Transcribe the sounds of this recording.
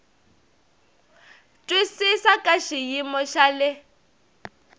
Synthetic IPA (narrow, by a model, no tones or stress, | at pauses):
tʼwisisakʼaʃijimɔʃalɪ